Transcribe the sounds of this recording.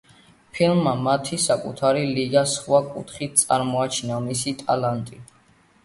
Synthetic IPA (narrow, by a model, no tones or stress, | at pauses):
pʰilˠmːamat̪ʰisakʼṵt̪ʰaɾiliɡasχwakʼṵt̪ʰχit̪̚ʰt̪sʼaɾmɔat͡ʃʰnamisit̪ʼalant̪ʼi